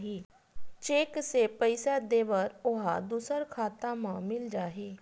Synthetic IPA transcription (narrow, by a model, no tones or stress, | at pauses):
ɦiː | t͡ʃeːksepəɪsad̪eːʋəɾʊɦa̰d̪uːsəɾkʰaːt̪ãmãːmɪld͡ʒaːɦeː